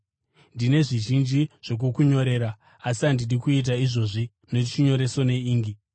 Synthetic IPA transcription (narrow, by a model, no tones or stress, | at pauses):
ndine̞ʐiʒind͡ʒiʐ̥o̞k̬ukuɲo̞ɾe̞ːɾa | asiandidikuit̬aiʐo̞ʐi | neit͡ʃiɲo̞ɾe̞sone̞iːŋɡi